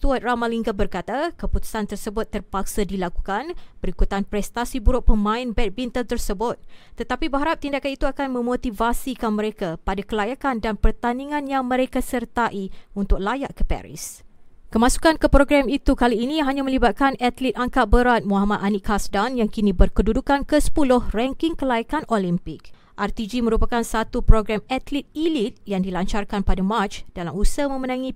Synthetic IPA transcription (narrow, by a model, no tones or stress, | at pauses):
st̪uat̪̚ramaliŋɡabərkat̪akəput̪u̥sant̪ərsəbʊt̪ːərpak̚sadilakukanb̥əɾikut̪anpɾɛst̪asibuɾʊʔ̚pəmãɪnbɛt̪̚bint̪əlt̪ərsəbʊt̪̚t̪ːət̪apibəɦaɾap̚t̪indakanit̪uakanmə̃mot̪ivasikanmə̃ɾekapadakəlajakandanpərt̪aniŋãnjaŋmə̃ɾekasərt̪aʔiunt̪ʊk̚lajaʔkəpɛ̰ɾḭskəmãsu̥kankəpɾoɡɾamit̪ukaliːnĩɦaɲamə̃libat̪̚kanat̪lit̪̚aŋkabəɾat̪̚muɦamat̪ʔaniʔkasdanjaŋkinibərkədudukankəsə̥pulʊhrɛŋkɪŋkəlajakanolimpɪk̚ | ʔart̪id͡ʒimə̃ɾupakansat̪upɾoɡɾamat̪lit̪̚ilit̪̚jaŋdilaɲt͡ʃarkanpadamãt͡ʃd̥alamusəmə̃mənãŋĩ